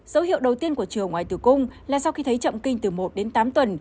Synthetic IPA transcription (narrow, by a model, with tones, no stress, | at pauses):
zə˨˦whḭ˧˨əwɗə˨˩wt̪i˧ənku˧˩ət͡ɕɨ˨˩əŋːwaː˨˩jt̪ɨ˨˩kʊ˧ŋ͡mlaː˨˩sa˧wxi˧t̪ʰə˨˦jt͡ɕə̰˧˨mkï˧ŋ̟t̪ɨ˨˩mo˨˩t̚ɗe˨˦nt̪aː˨˦mt̪wə˨˩n